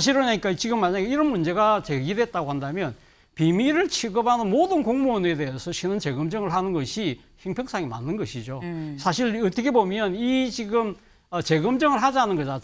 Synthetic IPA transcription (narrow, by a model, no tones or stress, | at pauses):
aɕ̬ʰiɾɯɲaɲik͈at͡ɕiɡɯmːaɲaɡeiɾʌnmund͡ʑe̞ɡat͡ɕeɡidwe̞t̚t͈aɡohandamjʌn | pimiɾɯɭt͡ɕʰiɡʌbɦanɯnmodɯnkoŋmune̞de̞esʰʌɕʰinɯnt͡ɕe̞ɡɯmd͡ʑʌŋɯɭɦanɯnɡʌɕʰi | çʰiŋpʰjʌŋs͈ʰaŋima̰nːɯnɡʌɕʰid͡ʑosʰaɕʰiɾʌtʰʌkʰe̞bomjʌnit͡ɕiɡɯm | ʌt͡ɕe̞ɡɯmd͡ʑʌŋɯɭɦad͡ʑianɯnɡʌd͡ʑa